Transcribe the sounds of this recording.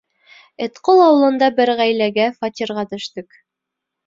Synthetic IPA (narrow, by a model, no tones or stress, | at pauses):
ɘ̆t̪qolˠɑwɤ̆lˠɤ̆nd̪ɑbɘɾʁæjlæɡæfɑt̪ʲiɾʁɑt̪ɵ̆ʃt̪ɘk